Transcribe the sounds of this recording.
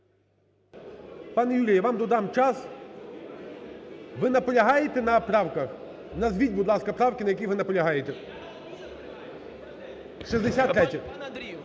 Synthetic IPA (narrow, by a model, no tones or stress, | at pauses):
pɑnɛjulʲijɐʋɑmd̪ɔd̪ɑmt͡ʃɑs | ʋɪnɐpɔlʲɐɦɑjet̪ɛnɐpɾɑwkɐx | nɐzʋʲidʲbʊd̪lˠɑskɐpɾɑwkʲɪnɐjɐkʲijʋɪnɐpɔlʲɐɦɑjet̪ɛ | ʃizd̪esʲat̪ːɾɛtʲːɐ